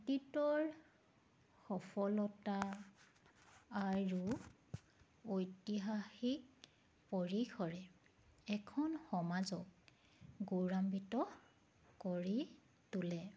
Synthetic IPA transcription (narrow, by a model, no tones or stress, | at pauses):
titɔɹ | xɔpʰɔlɔta | aɹu | ojtiɦaxik̚ | poɹikʰɔɹɛ | ɛkʰɔnxɔmazɔk̚ | ɡoɹambitɔ | kɔɹi | tulɛ